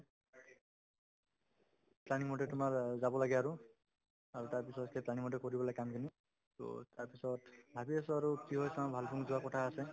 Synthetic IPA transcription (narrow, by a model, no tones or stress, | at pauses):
planiŋmɔʈetumaɹzabɔlaɡɛaɾu | aɹutaɹpisɔtkeplañimɔʈ̬ekɔɾibɔlajkamkini | to̰taɹpisɔtbʱabiasuaɾukiɦojsɔmabʱalbʰʱuŋzuwakɔʈʰaːse